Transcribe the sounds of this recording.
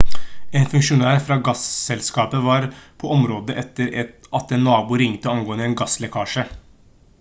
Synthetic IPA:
eːnfʉŋkʂʊnæːɾfɾɑːɡɑssɛlskɑːpəʋɑːɾpʰɔɔmɾoːd̪əʔɛt̪ːəɾɛɑt̪ɛnːɑːbuːɾɪŋt̪əɔmɡoːənəɛːnɡɑslɛkʰɑːʂə

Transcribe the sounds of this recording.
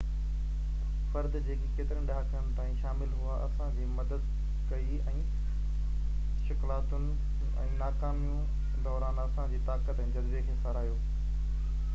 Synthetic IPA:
fɐɾd̪d͡ʑeːkekeːt̪ɪɾənɗaːkənɪ̆t̪aːĩʃaːmɪlɦʊaʔɐsãd͡ʑiːmɐd̪əd̪ | kɐi | ɛ̃ː | ʃɪklaːt̪ʊnɪ̆ | ɛ̰̃ːnaːkaːmijũ | d̪ɔːɾaːnɐsãd͡ʑiːt̪aːkət̪ɛ̃ːd͡ʑɐd̪ʋekʰeːsɐɾaːjoː

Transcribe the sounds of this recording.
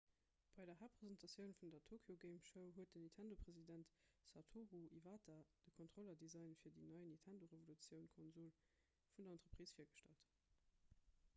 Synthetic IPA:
b̥ɑɪdɐɦaːpʁ̥ezɛntʰɑsjəʊnfundɐtʰoːkʰjoɡeɪmʃəʊɦuət̚dənintʰændopʁ̥ezidæntsatʰuʁuʔivaːtʰɐd̥əkʰɔntʁ̥olɐdizɑɪnfiːɐdinɑɪnintʰændoʁevolut͡sjəʊnkʰɔnzul | fundɐɑntʁ̥əpʁ̥iːsfiːɐɡəʃtæ̰lt

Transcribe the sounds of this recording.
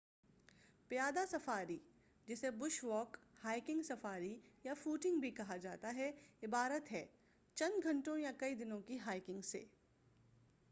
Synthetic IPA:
pɪjaːd̪asɐfaːɾi | d͡ʒɪsebʊʃwɔːkhaːɪkɪ̃ŋɡsɐfaːɾijafuːʈɪ̃ŋɡbʱikɐɦad͡ʒaːt̪aɦɛɪbaːɾət̪ɦɛː | t͡ʃɐ̃nd̪ɡʱɐ̃ɳʈõjakɐid̪ɪnõkiɦaːɪkɪ̃ŋɡsḛː

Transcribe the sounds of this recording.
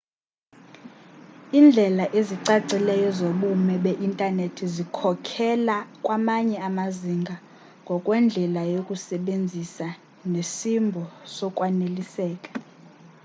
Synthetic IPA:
iːnd͡ɮʱɛlaʔeziǀaǀilɛjɔzoɓumɛɓeʔintʼanetʰizikʰɔkʰɛlakʼwamaɲɛamaziŋɡʱa | ŋɡʱɔkʼwɛnd͡ɮʱɛlajokʼusɛɓend͡zʱisa | nesimbʱɔsɔkʼwanelisɛːkʼḁ

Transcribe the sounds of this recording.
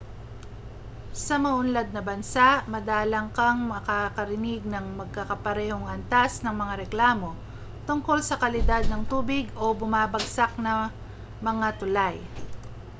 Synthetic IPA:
sɐmɐʔʊnlad̪̚nɐbɐnsaʔmɐd̪aːlɐŋkɐŋmɐkakɐɾɪnɪɡ̚nɐŋmɐɡ̚kɐkɐpɐɾɛːho̞ŋʔɐnt̪asnɐŋmɐŋaɾɛklaːmo̞ | t̪ʊŋko̞lsɐkɐlɪd̪ad̪̚nɐŋt̪uːbɪɡo̞bʊmaːbɐɡsak̚nɐ | mɐŋat̪ʊlaj

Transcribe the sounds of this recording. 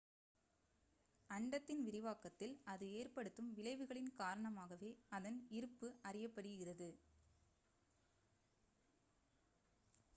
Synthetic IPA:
ɐɳɖɐt̪ːɪnʋɪɾɪʋaːkɐt̪ːɪlɐðɯeːrpɐɽɯt̪ːɯmʋɪɭɐɪʋɯɣɐɭɪnkaːɾɐɳɐmaːɣɐʋeːɐðɐnɪɾɯpːɯʔɐrɪjɐpːɐɽɯɣɪrɐðɯ

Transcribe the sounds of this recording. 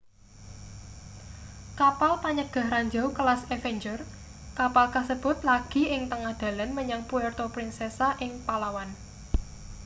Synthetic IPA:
kapalpaɲəɡ̥a̤hɾaɲd͡ʒa̤wkəlasefɛɲd͡ʒər | kapalkasəb̥ʊ̤t̪laɡ̥i̤ɪŋt̪əŋahd̪̥a̤lanməɲaŋpuɛrt̪opɾinsɛsaʔɪŋpalawan

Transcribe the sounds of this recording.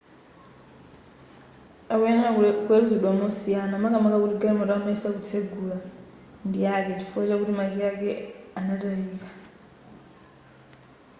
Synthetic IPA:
aβweŋakueluzidwamusianamakamakakutiɡamoɾamaisakut͡sʰeɡula | ndjaket͡ʃifuet͡ʃekutimakjakeanatahika

